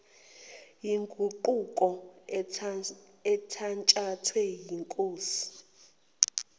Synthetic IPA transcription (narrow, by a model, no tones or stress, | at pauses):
jiŋɡʱuǃukʼɔ | ɛtʰant͡ʃʼatʰwɛjiŋkʼoːsi̥